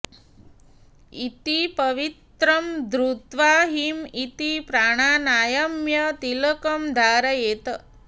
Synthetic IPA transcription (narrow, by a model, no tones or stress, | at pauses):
it̪ipɐʋit̪ɾɐmd̪ɾut̪ʋaːɦimit̪ipɾaːɽ̃aːnaːjɐmjɐt̪ilɐkɐmd̪ʱaːɾɐjeːt̪ɐ